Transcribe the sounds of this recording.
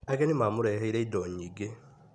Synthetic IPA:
aɣɛnimamoɾɛːɦeiɾɛidɔːɲiːɡe

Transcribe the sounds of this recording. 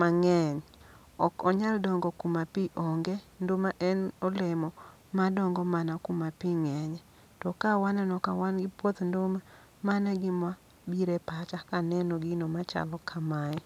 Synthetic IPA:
maŋɛɲ | ɔkɔɲaldɔŋɡɔkumapiʔɔŋɡɛndomaʔɛnɔlɛmɔ | madɔŋɡɔmanakumapiŋɛɲɛ | tɔkawanɛnɔkawanɡɪpwɔt̪ndoma | manɛɡɪmwa | biɾepat͡ʃakanɛnɔɡɪnɔmat͡ʃa̰lɔkʰamaɛ

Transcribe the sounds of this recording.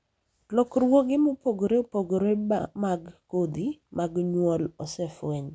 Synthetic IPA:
lɔkɾwoɡɪmopoɡɾeopoɡoɾeamaɡkod̪imaɡɲwɔlɔsɛfwɛɲ

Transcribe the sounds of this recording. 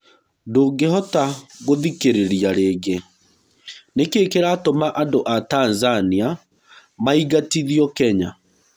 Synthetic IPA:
doːɡeɦɔtaɣoðikeɾeɾiaɾeːɡe | nekekeɾatomaʔandoʔataːnzania | maiɣatiðijɔkɛɲa

